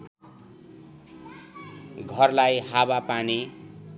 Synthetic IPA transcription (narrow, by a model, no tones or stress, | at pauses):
ɡʱʌrlajɦabapani